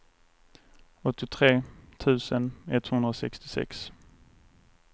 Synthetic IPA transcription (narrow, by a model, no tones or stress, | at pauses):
ɔt̪ːɪt̪ʰɾeːt̪ʰʉ̟ːsənɛt̪hɵnd̪ɾaɔsɛkst̪ɪsɛ̰ks